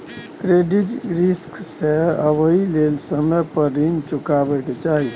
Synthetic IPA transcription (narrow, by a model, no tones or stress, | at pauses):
kɾeɖiʈɾisksẽəbəilelsəməpəɾint͡ʃukabɛket͡ʃaɦi